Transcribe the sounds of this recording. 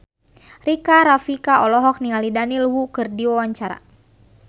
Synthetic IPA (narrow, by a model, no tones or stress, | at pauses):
rikaɾafikaɔlɔɦɔk̚niŋalidanilwukɨrdiwawaɲt͡ʃaɾa̰